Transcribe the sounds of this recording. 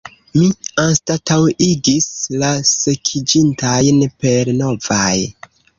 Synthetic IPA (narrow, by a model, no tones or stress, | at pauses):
mianstatawiɡislase̞kʰid͡ʒintʰajnpe̞ɾno̞vaj